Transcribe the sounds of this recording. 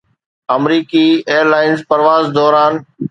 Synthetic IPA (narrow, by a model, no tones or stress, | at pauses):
ɐmɾiːkieːəɾlaːɪnzpɐɾʋaːzd̪ɔːɾaːn